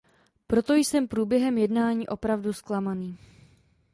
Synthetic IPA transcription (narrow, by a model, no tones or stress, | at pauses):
pɾo̞t̪o̞jsɛmpɾuːbjɛɦɛmjɛdnaːɲiːʔo̞pɾavdusklamaniː